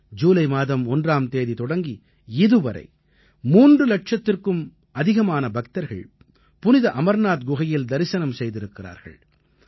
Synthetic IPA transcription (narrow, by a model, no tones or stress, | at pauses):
d͡ʒuːlɐɪmaːðɐmɔndraːmt̪eːðit̪ɔɽɐŋɡi | ɪðɯʋɐɾɐ̰ɪ | muːndrɯlɐʈ̚t͡ʃɐt̪ːɪrkɯm | ɐðɪɣɐmaːnɐbɐk̚t̪ɐɾɣɐ̰ɭ | pʊnɪðɐʔɐmɐɾnaːt̪̚ɡʊɣɐjɪld̪ɐɾɪsɐnɐmsɛjðɪɾɯkːɪra̰ːɾɣɐ̰ɭ